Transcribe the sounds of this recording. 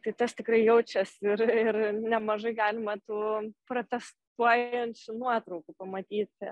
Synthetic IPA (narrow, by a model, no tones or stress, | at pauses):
t̪ɐɪt̪ɐst̪ʲɪkɾɐɪjɛʊt͡ʃʲɛsɪrɪrnʲɛmɐʒɐɪɡɑːlʲɪmɐt̪uːpɾoːt̪ʲɛs | t̪uɔjɛnʲt͡ʃʲʊnuɔt̪ɾɐʊkupɐmɐt̪ʲiːt̪ʲ